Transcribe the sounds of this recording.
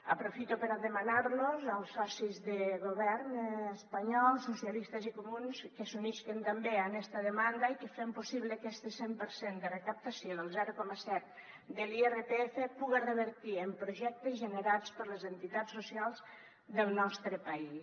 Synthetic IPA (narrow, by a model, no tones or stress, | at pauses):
əpɾofit̪upəɾaðəmanaɾnozalˠsɔsizðəɣoβ̞ɛɾnəspaɲɔlˠsusjalist̪əzikumunskəsuniskent̪ambeanɛst̪aðəmand̪aikəfempusiβlekɛst̪esempəɾsend̪ərəkap̚t̪asjoðəlˠzɛɾukɔməsɛt̪̚ | d̪əlierep̪eefepuɣerəβəɾt̪iəmpɾoʒɛk̚t̪əzʒənəɾat͡spəɾləzənt̪it̪asːusialˠz | d̪əlˠnɔst̪ɾəpai